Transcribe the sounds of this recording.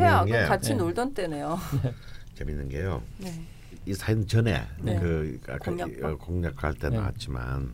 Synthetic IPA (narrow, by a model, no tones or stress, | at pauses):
ejanɡejkat͡ɕʰinoɭdʌnt͈enejo | t͡ɕeminːɯnɡejone | isʰaint͡ɕʌne̞̰kɯa̰kk͈ʰaakoŋɲakʰahaɭt͈en̰ka̰t̚t͡ɕ͈ima̰n